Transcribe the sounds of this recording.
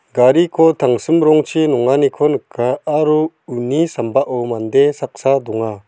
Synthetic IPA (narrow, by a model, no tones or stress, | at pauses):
ɡaɾikʰɔt̪ʰaŋsɯmɾɔŋt͡ʃʰinɔŋanikʰɔnəkʰːaːɾuː | nisambaʔɔwmand̪esak̚sad̪ɔŋa